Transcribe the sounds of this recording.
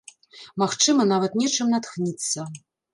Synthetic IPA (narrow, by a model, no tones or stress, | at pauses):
maxt͡ʂɨmɐnavɐt̪nʲɛt͡ʂɨmnat̪xnʲit̪sːɐ